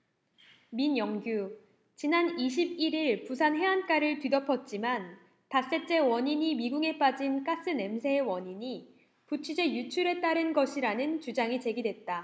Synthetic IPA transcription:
minjʌŋɡju | t͡ɕinaniɕ̬ʰib̚iɾiɭpusʰanɦe̞ank͈aɾɯɭtɥidʌpʰʌt̚t͡ɕ͈iman | tas͈e̞t͡ɕ͈e̞wʌɲiɲimiɡuŋe̞p͈ad͡ʑink͈as͈ɯne̞msʰe̞ewʌɲiɲi | put͡ɕʰud͡ʑe̞jut͡ɕʰuɾe̞t͈aɾɯnɡʌɕʰiɾanɯnt͡ɕud͡ʑaŋit͡ɕe̞ɡidwe̞t̚t͈a

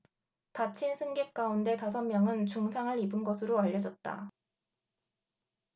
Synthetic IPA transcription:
pat͡ɕʰinsʰɯŋɡe̞k̚k͈aunde̞tasʰʌmmjʌŋɯnt͡ɕuŋsʰaŋɯɾibɯnɡʌsʰɯɾoaʎːʌd͡ʑʌt̚t͈a̰

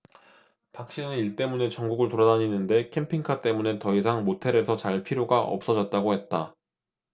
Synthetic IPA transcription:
pak̚ɕ͈inɯniɭt͈e̞mune̞t͡ɕʌŋɡuɡɯɭtoɾadaɲinːɯnde̞kʰe̞mpʰiŋkʰat͈e̞mune̞tʌis̬ʰaŋmotʰe̞ɾe̞sʰʌt͡ɕaɭpʰiɾjoɡaʌ̰p̚s͈ʌd͡ʑʌt̚t͈aɡohe̞t̚t͈a

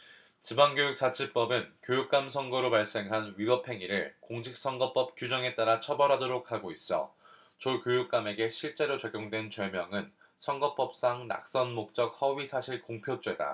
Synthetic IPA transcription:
t͡ɕibaŋɡjojuk̚t͡ɕ͈at͡ɕʰip͈ʌbɯnkjojuk̚k͈amsʰʌŋɡʌɾopaɭs͈e̞ŋɦanɥibʌpʰe̞ŋiɾɯɭkoŋɕʰik̚s͈ʌŋɡʌp͈ʌp̚k͈jud͡ʑʌŋe̞t͈aɾat͡ɕʰʌbʌɾɦadoɾok̚ʰhaɡois͈ʌ̰ | t͡ɕokjojuk̚k͈ame̞ɡe̞ɕʰiɭt͡ɕ͈e̞ɾot͡ɕʌɡjoŋdwe̞nt͡ɕʌɭmjʌŋɯn | sʰʌŋɡʌp͈ʌp̚s͈aŋna̰k̚s͈ʌnmok̚t͡ɕ͈ʌk̚hʌɥisʰaɕʰiɭkoŋpʰjot͡ɕ͈we̞da̰

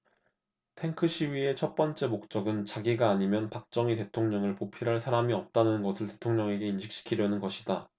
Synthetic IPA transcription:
tʰe̞ŋkʰɯɕʰiɥie̞t͡ɕʰʌt̚p͈ʌnt͡ɕ͈e̞mok̚t͡ɕ͈ʌɡɯnt͡ɕaɡiɡaːɲimjʌnpak̚t͡ɕ͈ʌŋite̞tʰoŋɲʌŋɯɭpopʰiɾɦaɭsʰaɾamiʌp̚t͈anɯnnɡʌsʰɯɭte̞̥tʰoŋɲʌŋe̞ɡe̞inɕʰik̚ɕ͈i̥kʰiɾjʌnɯnɡʌɕʰida

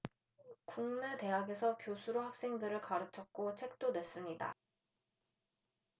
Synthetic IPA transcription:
kuŋnete̞ɦaɡe̞sʰʌkjosʰuɾohak̚s͈eŋdɯɾɯɭkaɾɯt͡ɕʰʌk̚k͈ot͡ɕʰek̚t͈onwe̞s͈ɯmɲida̰

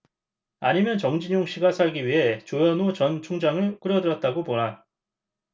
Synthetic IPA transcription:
aɲimjʌnt͡ɕʌŋd͡ʑiɲoŋɕ͈ʰiɡasʰaɭɡiɥiɦe̞t͡ɕojʌnot͡ɕʌnt͡ɕʰoŋd͡ʑaŋɯɭk͈ɯɾjʌdɯɾʌt̚t͈aɡoponɦa

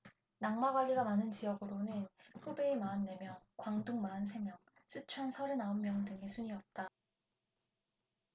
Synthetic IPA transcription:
naŋmaɡwaʎːiɡamanɯnt͡ɕijʌɡɯɾonɯnɸube̞ːmaːnːe̞mjʌŋkwaŋduŋmaːns̬ʰe̞mjʌŋ | s͈ʰɯt͡ɕʰwansʰʌɾɯnaonmjʌŋdɯŋesʰuɲiʌp̚t͈a

